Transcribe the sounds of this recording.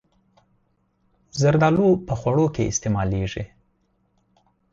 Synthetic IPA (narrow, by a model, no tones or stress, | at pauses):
zaɾd̪ɑlopəxwaɽokeʔɪ̰st̪emɑleʐi